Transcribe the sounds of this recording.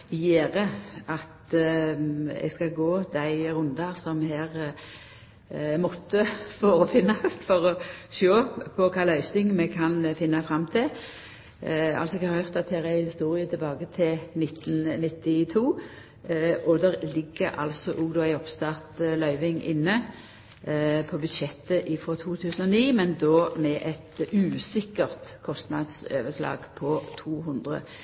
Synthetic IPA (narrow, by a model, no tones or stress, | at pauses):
jeːʁəʔɑt̪ | ɛ̰ɡskɑɡoːd̪æɪʁʉnd̪ɑʁsɔmhæːʁ | mɔt̪ːəfoːʁəfɪnɑst̪fɔʁɔʃoːpʰɔkʰɑːlœʏsɪŋmɛkʰɑnfɪnːɑfɾɑmːt̪ʰɪ | ɑ̰lsɔɛɡhɑʁœʁt̪ɑt̪ʰeːʁæɪhɪst̪uːʁɪət̪ʰɛbɑːɡət̪ʰɪlnɪt̪ːnnɪt̪ːɪt̪ʰuː | ʔɔd̪ɛʁlɪɡːəɾɑ̰lsɔʔuːɡd̪oːæɪɔpst̪ɑʁt̪lœʏʋɪŋʔɪnːə | pʰɔbʉd̪ʃɛt̪ːəʔɪfɔt̪ʰuːt̪ʰʉːsənɔniːmɛnd̪oːmɛʔɛt̪ʉːsɪkːəʁt̪kʰɔst̪nɑd̪søːʋəslɑ̰ːɡpʰɔt̪ʰuːɦʊnd̪ʁə̰